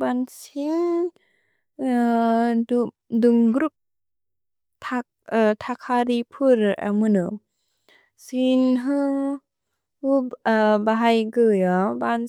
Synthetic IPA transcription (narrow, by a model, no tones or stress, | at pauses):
bansin | duŋɡɾuk̚ | tʰak̚ | tʰakʰaɾipʰuɾa̰mɯnɯ | sinɦɯ | ubaɦajɡɯjɔban